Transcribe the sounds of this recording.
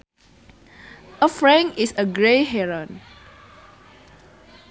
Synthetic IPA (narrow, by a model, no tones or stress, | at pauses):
ʔəfɹɛ̃ŋisəɡɹeɦɛɹə̃n